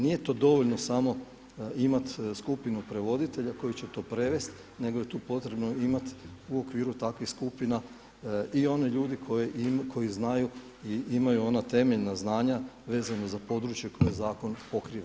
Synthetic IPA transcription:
nije̞t̪o̞d̪o̞ʋo̞ʎnosamo̞ | imat̪skupinupɾe̞ʋo̞d̪it̪e̞ʎako̞jit͡ɕe̞t̪o̞ːpɾe̞ʋe̞st̪ | ne̞ɡoje̞t̪uːpo̞t̪ɾe̞bno̞imat̪uokʋiːɾut̪akʋixskupina | io̞ne̞ʎuːd̪ikʰojeʔkʰo̞jiznaju | iimajuo̞nat̪e̞meʎnaznaːɲaʋe̞ːzanozapo̞d̪ɾut͡ʃje̞kʰo̞jezaːko̞npo̞kɾiːʋa

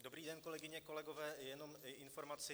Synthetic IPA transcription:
do̞bɾiːdɛnko̞lɛɡɪɲɛko̞lɛɡo̞vɛːjɛno̞mɪʔɪnfo̞ɾmat͡sɪ

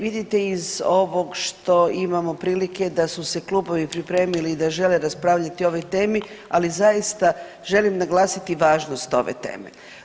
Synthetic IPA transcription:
ʋid̪it̪e̞izo̞ʋo̞ɡʃt̪o̞imamo̞pɾiːlike̞d̪asuse̞kluːbo̞ʋipɾipɾe̞ːmiliːd̪aʒe̞le̞ɾaspɾaːʋʎat̪io̞ʋo̞jt̪e̞ːmi | alizajist̪a | ʒe̞limnaɡlaːsit̪iʋaːʒnost̪o̞̰ʋḛt̪e̞̰ːmḛ

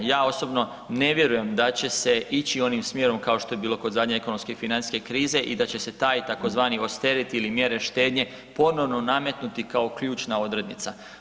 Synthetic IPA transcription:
jaːo̞so̞bno̞ | ne̞ʋje̞ɾuje̞md̪at͡ɕe̞se̞it͡ɕio̞nimsmje̞ɾo̞mkao̞ʃt̪o̞jebiːlo̞ko̞d̪zad̪ɲeeko̞nomske̞finansske̞kɾiːze̞ʔid̪at͡ɕe̞se̞t̪aːjt̪ako̞zʋaːnio̞st̪eɾit̪iilimje̞ɾe̞ʃt̪e̞ːd̪ɲe̞ | po̞no̞ʋno̞name̞t̪nut̪ikao̞kʎuːt͡ʃnao̞d̪ɾe̞d̪nit̪sa

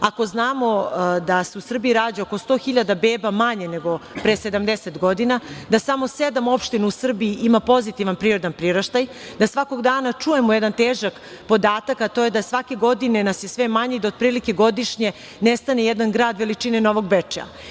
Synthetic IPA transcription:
ako̞znaːmo̞d̪aseusr̩bijiɾaːd͡ʒaokost̪o̞ːxiʎad̪abe̞ːbamaɲeneɡo̞pɾese̞d̪amd̪eset̪ɡo̞d̪inad̪asamo̞sed̪amo̞pʃt̪ineusr̩biiʔimapo̞zit̪iʋanpɾiɾed̪anpɾiɾaʃt̪aj | d̪asʋako̞ɡd̪aːnat͡ʂuje̞mojɛd̪ant̪eːʒak | po̞d̪aːt̪akat̪oːje̞d̪asʋake̞ɡo̞d̪ine̞nasje̞sʋemaɲeid̪aod̪̚pɾiːlike̞ɡo̞d̪iʃɲe̞ | nest̪anejɛd̪anɡɾaːd̪ʋelit͡ʂineno̞ʋo̞ɡ̚bet͡ʂa̰

